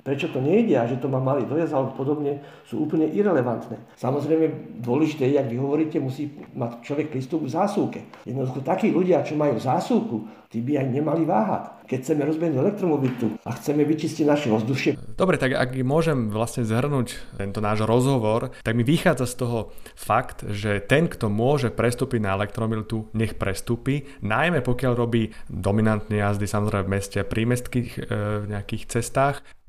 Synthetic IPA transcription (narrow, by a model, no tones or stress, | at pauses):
pɾɛt͡ʃɔt̪ɔɲɛiɟɛaʒɛt̪ɔmamːaliːd̪ɔjazalɛpɔd̪ɔbɲɛ | sṵːuːpl̩ɲɛʔiɾɛlɛʋant̪nɛ̰ːsamɔzɾɛjmɛd̪ʊɔlɛʒit̪ɛːjɛjaɡʋiɦɔʋɔɾiːcɛmusiːmact͡ʃlɔʋɛk̚pɾiːst̪ubɡvzaːsulkɛjɛd̪nɔd̪uxɔt̪akiːluɟɪat͡ʃɔmajuːzaːsulkut̪iːbiajɲɛmaliʋaːɦa̰ckɛcxt͡sɛmɛɾɔzbiɛɦnuɛlɛk̚t̪ɾɔmɔbit̪ua̰xt͡sɛmɛʋit͡ʃisciɟnaʃɛʋɔzd̪uʃɪɛd̪̥ɔbɾɛt̪aɡa̰ɡmʊɔʒɛmʋlasɲɛzɦr̩nuːc̪ɛnt̪ɔnaːʒɾɔzɦɔʋɔɾt̪aɡmiʋixaːd͡zast̪ɔɦɔ | fakt̪ʒɛt̪ɛnkt̪ɔmʊɔʒɛpɾɛst̪uːpiɟnaɛlɛkt̪ɾɔmilt̪uɲɛxpɾɛst̪uːpi | najmɛpɔkɪaʎɾɔbiːd̪ɔminant̪nɛjazd̪isamɔzɾɛɪmɛvmɛscɛapɾʔimɛst̪kixvɲɛakiːxt͡sɛst̪aːx